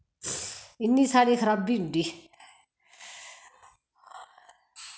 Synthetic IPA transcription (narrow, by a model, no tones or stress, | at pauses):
inːisʰaːɽikʰɐɾabiɖi